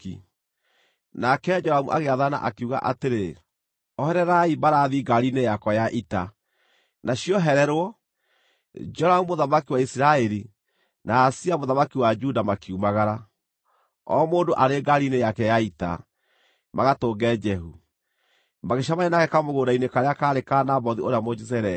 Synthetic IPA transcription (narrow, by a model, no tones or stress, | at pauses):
i | nakɛd͡ʒɔɾamṵʔa̰ɣeaðana̰ʔakeuɣa̰ʔa̰teɾe | ɔhɛɾɛɾaibaɾaːðiɡaɾinejakɔjaʔita | naɕiɔɦɛɾɛɾwɔ | d͡ʒɔɾamumoðamakiwaisiɾaɛɾi | naːsiamoðamakiwad͡ʒudamakiumaɣaɾa | ɔ̰moːndoʔaɾeɡaɾinejakɛjaita̰ | maɣatoːɡɛd͡ʒɛɦu | maɣeʃ̬amanenaɣɛkamoɣoːɾainekaɾeakaɾekanabɔðioɾeamod͡ʒizɛɾɛ